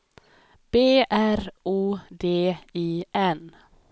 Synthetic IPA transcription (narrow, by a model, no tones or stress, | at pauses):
b̥eːʔæɾuːd̪eːiːʔɛn